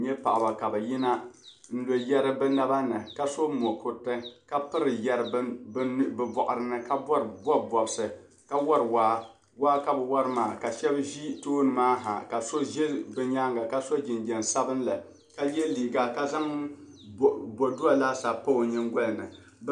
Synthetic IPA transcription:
ɲɛ˦pa̰˨ʔa˨ba˨ka˨bɛ˨jɪ˦na˦n̩˦lo˨jɛ˦ɾɨ˦bɨ˦na˦ba˦nɨ˨ka˦so˦mo˨kʊ˨tɨ˦ka˦pɨ˦ɾɨ˨jɛ˦ɾɨ˨˦bɨ˨bɔ˨ʔʊ˨ɾɨ˦nɨ˦ka˦bɔ˦ɾbɔ˦bɔ˨bsɨ˨ | ka˦wɔ˦ɾɨ˨waː˦ | waː˦ka˨bɨ˨wa˦ɾɨ˦maː˨ka˨ʃɛ˦bʒi˦toː˦nɨ˨maː˦ɦa̰˨ka˨so˦ʒɛ˦bɨ˦ɲa˦ŋɡa˨ka˦so˦d͡ʒɪ˨nd͡ʒɛ˨n˨sa˦bɨ˦n˦la˨ | ka˦jɛ˦liː˨ɡa˦ka˦za˦ŋ˨ | bɔ˨du˦a˨laː˦sa˨po˦˨ɲɪ˦ŋɡɔ˦lnɨ̰˨˦

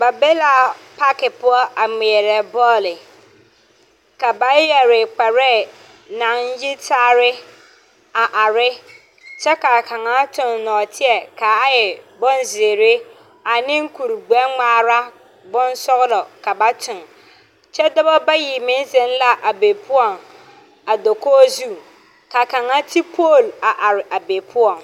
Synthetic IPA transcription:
ba˨be˦la˨pʰa˦kɪ˨pʊ˦ɔ˦a˨mĩ˨ɛ˨ɾɛ˨bɔ˦lɪ˨ | ka˨ba˦jɛ˨ɾɪ˨k͡pɛ˨ɾɛː˦˨ | nã˨˦n̩˦jɪ˦tʰaː˦ɾɪ˦ | a˨ʔa˨ɾɪ˦ | t͡ʃʰɛ˦ka˨kʰã˨ŋã˨˦tʰʊ̃˨nːɔ̃ː˨tʰɪ˦ɛ˨kʰa˨a˦jɛ˨bɔ̃˦n˦zeː˨ɾe˦ | a˨nɪ̃˦ŋ˦kʰu˨ɾɡ͡bɛ˦ŋ͡maː˦ɾa˦ | bʊ̃˦n˦sɔ˦ɣlɔ˨ka˨ba˦tʰʊ̃˨n | t͡ʃɛ˦dɔ˦bɔ˦ba˦ji˨mɪ̃˦zɛ˨n˦la˦ʔa˨beː˨pʰʊ˦ɔ˨ŋ | a˨do˨kʰoː˦zu˦ | ka˨kã˨ŋa˦tʰi˦pʰo˦˨la˨ʔa˨ɾɪ˨ʔa˨be˨pʰʊ˦ɔ̃˨ŋ

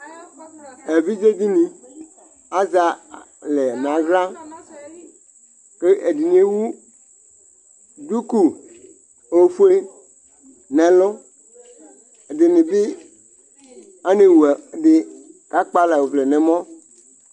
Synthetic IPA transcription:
e˨vi˦d͡ʒe˦d̪i˦nĩ˨ | a˦za˨ | lɛ˨nã˨ɣla˦ | ke˦ʔe˨di˨n˦e˦wu˦ | du˦ku˨ | o˦fu˦e˦ | nɛ̃˨lʊ˦˨ | dɪ˨nɪ̃˨bɪ˦ | a˦ne˨wu˨dɪ˨ka˦k͡pa˦la˨wo˨vle˨nɛ̃˨mɔ̃˦

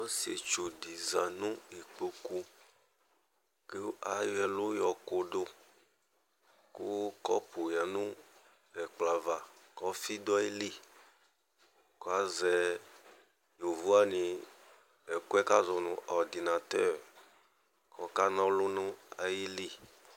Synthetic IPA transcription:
ɔ˦si˨e˨t͡ʃo˨di˨zã˨nũ˦i˨k͡po˨ku˦ | ke˦a˨jɛ˨lu˦jɔ˨ko˨do˦ | ku˦kɔ˦po˨ja˨nũ˦ | ɛ˨k͡pla˨va˨kɔ˦fi˦d̪ɔ˦ji˦li˦ | ko˦a˦zɛ˨ | nũ˨vu˦a˦nĩ˨ | ɛ˨kɛ˦ka˦zɔ˨nṵ̃˨ʔɔ˨ɾd̪i˨na˨t̪ɛ˦˨ɾ | kʰɔ˨ka˦nɔ̃˦lʊ˦nũ˦a̰˨ji˦li˦

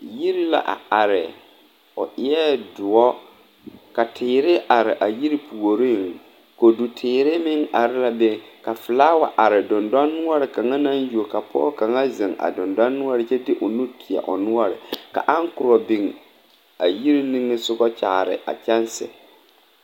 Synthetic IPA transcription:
ji˦ɾi˦la̰˨ʔa̰˨a˨ɾɪ˨ | ʊ̰˨ʔɪ˦ɛ˦dʊ˨ɔ˦ | ka˨tʰɪː˨ɾɪ˦ʔa˨ɾɪ˨ʔa˨ji˦ɾi˦pʰu˨o˨ɾi˦˨ŋ | ko˨du˨tʰɪː˨ɾɪ˦mɪ˦ŋa˨ɾɪ˦la˦be˦ka˨fɪ˨laː˦wa˨ʔa˨ɾɪ˨dʊ˨nda˦nːʊ˦ɔ˦ɾɪ˨ka˨ŋa˦na˦nju˨o˨ka˨pʰɔ̰˦ka˨ŋa˦zɪ˨ŋa̰˨dʊ˨nda˦nːʊ˦ɔ˦ɾɪ˨t͡ʃɛ˦dɪ˦ʔʊ˨nu˦tʰɪ˨ɛ̰˨ʔʊ̰˨nʊ˦ɔ˦ɾɪ̰˨ka̰˨ʔa˦ŋkʊ˨ɾɔ˨bɪ˨ŋ | a˨ji˦ɾi˦nĩ˦ŋːɪ˦sʊ˦ɡɔ˦t͡ʃa̰ː˨ɾɪ̰˨ʔa̰˨t͡ʃɛ˦nsɪ̰˨

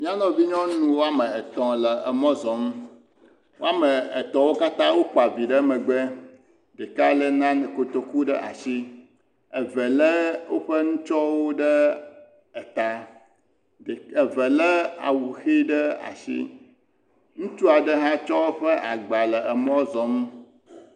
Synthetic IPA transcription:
mĩ˦a˦nɔ̃˦vi˦ɲɔ̃˦nũ˦wo˦a˦mə̃˨ɛ˨t̪ɔ̃˨lə˨ə˨mɔ̃˦zɔ̃˨mũ˦ | wo˦a˦mə˨ə˨t̪ɔ̃˨wo˦ka˦t̪ã˦wo˦k͡pa˨vi˨ɖə˦mə̃˨ɡ͡be˦ | ɖɛ˨ka˦lə˦nã˦nɛ̃˨ko˨t̪o˦ku˦ɖə̰˦ʔa̰˨si˦ | ə˨vɛ˨lə˦wo˦ɸə˦ŋũ˦t͡ʃɔ˦wo˦ɖə˦ | ə˨t̪a˦˨ | ə˨və˨lə˦a̰˨wu˨xi˦ɖə˦a̰˨sḭ˦ | ŋũ˦t̪u˦a˨ɖə˦ɦã˦t͡ʃɔ˦ɸə˦ʔa˨ɡ͡ba˨lə˨ə˨mɔ̃˦zɔ˨m˦

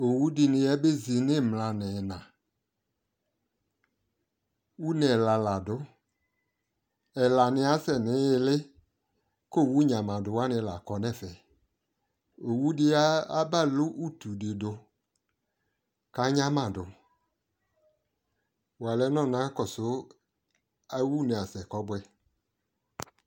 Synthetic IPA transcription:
o˨wu˦dɪ˧nɪ˧ɛ˦be˦zi˨nɪ˦˨mla˨nɪ˨nã˨ | wu˦nɛ˨la˨la˨dʊ˨˦ | ɛ˨la˨nɪ˧˦a˦sɛ˨nɪ˨˦˧lɪ˦ | ko˦˨wu˦ɲã˨mã˨dʊ˨wa˦nɪ̃˧˦la˨kɔ˨˦nɛ˦˨fɛ˨ | o˨wu˦dɪ˦a˦a˦ba˦˨lʊ˦ʔu˦˨tu˨dɪ˨dʊ˧ | ka˨˦ɲã˦mã˨dʊ˨ | wa˨lɛ˨˦nɔ̃˦˨nã˨˦kɔ˨sʊ˨˦ | a˦wu˦nɪ˨a˨sɛ˨kɔ˨˦bʊ˦ɛ˧

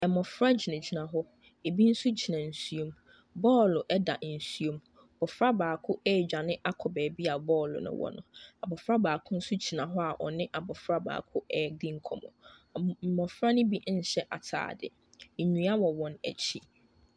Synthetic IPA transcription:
ɛ˨mɔ̃˨fɾa˦d͡ʑi˨nã˨d͡ʑi˨nã˨ɦɔ˦ | e˨bi˦n̩˦sʊ˦d͡ʑi˨nã˨n̩˨su˦o˦m | bɔː˦˨lʊ˨ʔɛ˦da̰˨n̩˨su˦o˦m˨ | b̥ɔ˨fɾa˦baː˨kʰʊ˦ʔɛː˦˨d͡ʑᶣa˨nɪ̃˦ʔa˦kʰɔ˨bɛː˨bi˦a˨bɔː˦˨lʊ̰˨nʊ̰̃˦wɔ̰˦nʊ̰̃˨a˨bɔ˨fɾa˦baː˨kʰʊ̃˦n̩˦sʊ˦d͡ʑi˨nã˨ɦɔ˦a˨ʔɔ̰˨nɪ̃˦ʔa˨bɔ˨fɾa˦ba̰ː˨kʰʊ˦ɛ˨dɪ̃˦ŋ̩˦kʰɔ̃˨mɔ̰̃˨ | mɔ̃˨fɾa˦nʊ̃˦bi˦ʔn̩˨ɕɛ˦ʔa̰˨tʰa̰ː˨dɪ̰˨ | ɲũ˨a˦wɔ˨wɔ̃˨næ̰˨t͡ɕʰi˦

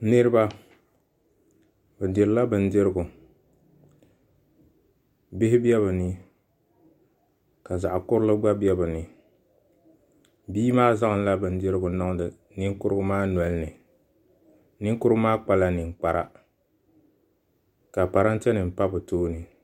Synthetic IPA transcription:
nɨ˦ɾɨ˦ba˦ | bɛ˨dɪ˨ɾɨ˨la˦bɨ˨n̩˦dɪ˦ɾɨ˦ɡʊ˨ | bɪ˦hɪ˦bɛ˦βɨ˨nɨ˨ | ka˨za˨ʔkʊ˦ɾʊ˦lɨ˦ɡ͡ba˦bɛ˦bɨ˨nɨ˨ | biː˦maː˦za˦ŋɨ˨n˦la˦bɨ˨n̩˦dɪ˦ɾɨ˦ɡʊ˨nɔ˦ŋ˦dɨ˨ | nɪ˦ŋ˦kʊ˦ɾɨ˦ɡʊ˦maː˦nwɔ˨lnɨ˨ | nɪ˦ŋ˦kʊ˦ɾɨ˦maː˦k͡pa˦la˦nɪ˨ŋ̩˨k͡pa˨ɾa˦ | ka˨pa˨ɾa˦n˦tɛ˦nɨ˨m̩˨pa˦bʊ˨toː˦nɨ˨

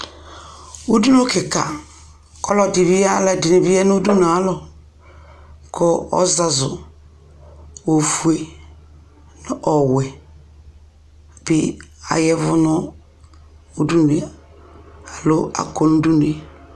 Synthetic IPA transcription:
u˦du˦no˦ke˨ka̰˨ | kɔ˦lɔ˦di˨bi˦ja˦lɛ˦di˨ni˨bi˦jɛ˦n˦u˦du˦nu˨a˨lɔ˨ | kʰɔ˦ɔ̰˦za˨zʊ˨ | o˨fu˦e˦ | nʊ˦ʔɔ˨wɛ˨ | b̥ɪ˦a̰˨jɛ˦vʊ˦nʊ˦ | u˦du˦n˨e˨ | a˨lo˦a̰˨ko˦nu˦du˦n˨e˨

